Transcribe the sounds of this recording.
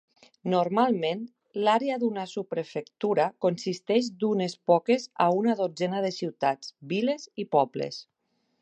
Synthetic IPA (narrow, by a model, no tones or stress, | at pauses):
noɾmalˠmen | laɾeaðunasupɾefekt̪uɾakonsist̪ɛʒd̪unespɔkeza̰unaðod͡zɛnaðesiwt̪ad͡zbilezipɔblḛs